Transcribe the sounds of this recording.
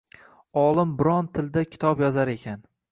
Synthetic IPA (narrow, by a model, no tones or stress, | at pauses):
ɒlˠɪmbɪɾɒnt̪ʰɪld̪akʲʰɪ̥t̪ʰɒpjɒzaɾe̞kʲʰan